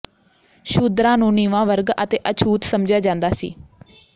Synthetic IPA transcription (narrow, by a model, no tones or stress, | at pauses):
ʃuːd̪ɾãːnũːniːʋãːʋəɾɡət̪eːʔət͡ʃʰuːt̪səmd͡ʒaːd͡ʒãːnd̪aːsḭː